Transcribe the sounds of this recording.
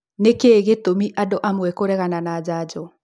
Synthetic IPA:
nekeɣetomiʔadoʔamwɛkoɾɛɣananad͡ʑad͡ʑɔ

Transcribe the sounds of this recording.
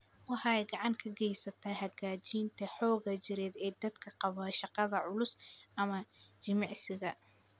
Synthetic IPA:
wɑħɑɛjɡɑʕɑŋkʰɐɡɛjsɐt̪ʰɐɦɐɡaːt͡ʃiːnt̪ʰɐħɔːɣɐt͡ʃɪɾɛːd̪ɛːd̪ɐd̪kʰɐqɑβɐːʃɑqɑðɐʕʊlʊsʔɐmɐt͡ʃɪmɑʕsɪɣɐ

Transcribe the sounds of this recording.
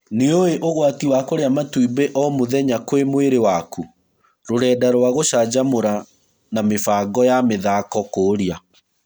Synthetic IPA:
neoeʔoɣwatiwakoɾeamatwibeʔɔmoðɛɲakwemweɾewaku | ɾoɾɛːdaɾɔwaɣoʃaːd͡ʑamoɾa | namefaːɡɔjameðakɔkoːɾia

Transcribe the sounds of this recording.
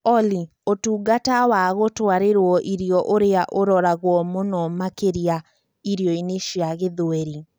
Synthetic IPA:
ɔli | otuːɡatawaɣotwaɾeɾwɔʔiɾiɔʔoɾeaʔoɾɔɾaɣwɔmonɔmakeɾia | iɾiɔineʃiaɣeðoɛɾi

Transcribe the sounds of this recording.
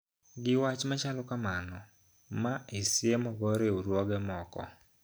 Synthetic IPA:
ɡɪwat͡ʃmat͡ʃalɔkamanɔ | maisɪemɔɡɔɾeuɾwɔɡɛmɔkɔ̰

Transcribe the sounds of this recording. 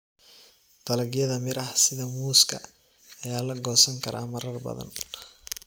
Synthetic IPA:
t̪ɐlɐɡjɐðɐmɪɾʔɐhsɪðɐmuːskʰɐː | jaːlɐɡɔːsɐŋkʰɐɾa̰ːmɐrɐrbɐ̰ðɐ̰n

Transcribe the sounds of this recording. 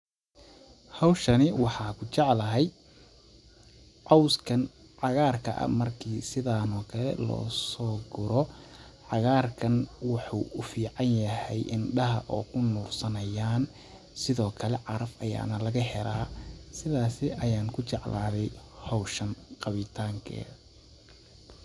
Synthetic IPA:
hɑwʃɐnɪwɑħɑːkʰʊt͡ʃɑʕlɐɦɛj | ʕɑwskʰɐn | ʕɑɣaːrkʰɐ̰ʔɐ̰mɐrkʰiːsɪðaːnɔːkʰɐlɛ̰lɔ̰ːsɔːɡʊɾɔʕɑɣaːrkʰɐnwɑħṵːʊfiːʕɑnjɐhɛjʔɪnɖɐɦɐʔɔːkʰʊnʊːrsɐnɐjaːn | sɪðɔːkʰɐlɛʕɑɾɐfɐja̰ːnɐlɐɣɐɦɛɾaːsɪðaːsɪʔɐjaːŋkʰʊt͡ʃɑʕlaːðɛjhɔwʃɐnqɑβɪt̪ʰaːŋkʰɛ̰ː

